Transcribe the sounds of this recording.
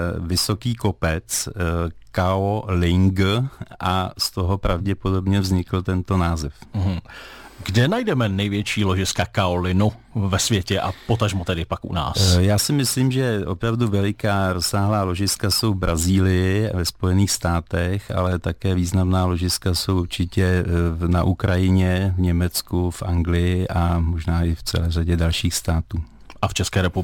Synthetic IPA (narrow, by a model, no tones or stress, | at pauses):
vɪsokiːko̞pɛt͡s | kaolɪŋɡʔast̪o̞ɦo̞pɾavɟɛpo̞do̞bɲɛvzɲɪkl̩t̪ɛnt̪o̞naːzɛf̩ɦ̩ɡdɛnajdɛmɛnɛjvjɛt͡ʃiːloʒɪskakaolɪnʊ | vɛsvjɛcɛʔapot̪aʒmot̪ɛdɪpakʔṵna̰ːsjaːsɪmɪsliːmʒɛʔo̞pɾavduvɛlɪkaːɾo̞sːaːɦlaːlo̞ʒɪskaso̞wvbɾʔaziːlɪjɪvɛspo̞jɛniːxst̪aːt̪ɛxa̰lɛt̪akɛːviːznamnaːlo̞ʒɪskasowʔuɾt͡ʃɪcɛnaʔukɾajɪɲɛvɲɛmɛt͡skufʔaŋɡlɪjɪʔamoʒnaːʔɪft͡sɛ̰lɛːraɟɛdalʃiːxst̪aːt̪uː | ʔaft͡ʃɛskɛːɾɛpub